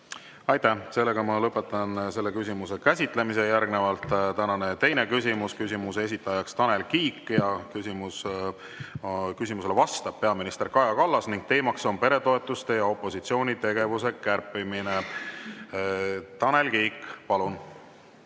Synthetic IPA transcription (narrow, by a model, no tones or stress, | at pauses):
ɑjt̪æse̞lːe̞ɡ̥ɑmɑlɤpːˑe̞t̪ːˑɑnse̞lːe̞kysʲimuse̞kæsʲit̪ˑlemis̬e̞jærɡne̞vɑlt̪ˑt̪ænɑne̞t̪e̞jne̞kysʲimuskysʲimuse̞s̬it̪ːˑɑjɑkst̪ɑne̞lkiːkːjɑkysimus | kysimuselevɑst̪ɑb̥̚pe̞ɑminist̪e̞rkɑjɑkɑlːɑsniŋɡ̥̚t̪e̞ːmɑkso̞npe̞ɾe̞t̪o̞e̞t̪ːˑust̪e̞jɑo̞pːˑo̞sit̪sio̞ːnʲit̪e̞ɡ̥e̞vuse̞kærpːimine | t̪ɑne̞lkiːkːˑpɑlun